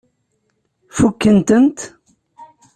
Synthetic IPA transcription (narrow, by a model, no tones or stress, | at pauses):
fukːənt̪ənt̪